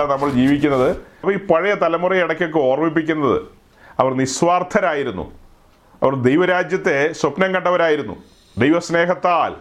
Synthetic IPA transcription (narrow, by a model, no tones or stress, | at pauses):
nɐmːɐɭd͡ʑiːʋikʲːunːɐðɨɐpːɐiːpɐɻɐjɐt̪ɐlɐmurɐjiɽɐkʲːok̬ːɨo̞ːrmip̬ːikʲːunːɐðɨ̰ | ɐʋɐrnisʋaːrt̪ʰɐɾaːjiɾunːṵ | ɐʋɐrd̪ejʋɐɾaːd͡ʑjɐt̪ːe̞swɐpnɐŋkɐɳʈːɖɐʋɐɾaːjiɾunːṵ | d̪ejʋɐsne̞ːɦɐt̪ːaːl